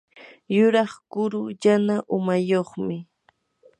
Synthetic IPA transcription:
jʊɾɑχkʊɾʊjanaʔʊmajoχmɪ

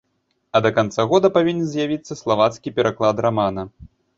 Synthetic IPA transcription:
ɐd̪ɐkant̪saɣɔd̪ɐpavʲinʲɛnzʲjavʲit̪sːɐslˠavat̪skʲipʲɛɾʔaklˠad̪ɾamanɐ

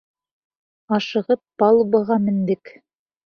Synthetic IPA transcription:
ɑʃɤ̆ʁɤp̚ːɑlˠbɤ̆ʁɑmɘ̆nd̪ɘk

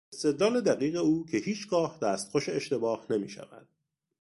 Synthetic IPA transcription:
est̪e̞d̪lɒːled̪æɣiːɣe̞uːcʰe̞hiːt͡ʃʰɡɒːhd̪̥æːst̪xoʃeeʃt̪e̞bɒːhne̞mḭːʃæ̰væ̰d̪̥̚

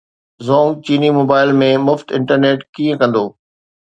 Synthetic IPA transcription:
zɔ̃ːŋɡ̚t͡ɕiːnimoːbaːɪlmẽmʊfʈɪ̰̃ɳʈəɾneːʈkĩə̃kɐ̃nd̪oː

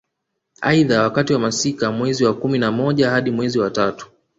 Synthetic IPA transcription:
aiðawakatiwamasikamwɛziwakuminamɔʄahaɗimwɛziwatatu̥

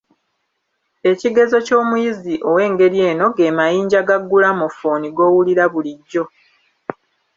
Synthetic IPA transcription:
e̞ciɡe̞zo̞co̞ːmujiziʔo̞we̞ːŋɡe̞ɾje̞ːno̞ɡe̞ːmajiːɲɟaɡaɡːulamo̞foniɡo̞ːwuliɾaβuliɟːo̞

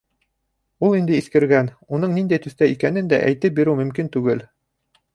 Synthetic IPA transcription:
ulˠind̪ɘiθkɘ̆ɾɡæn | unɤɴnind̪æjt̪ɵ̆θt̪æikænɘnd̪æ̰ʔæjt̪ɘp̚biɾɘwmɵ̆mkint̪ʉɡɘl

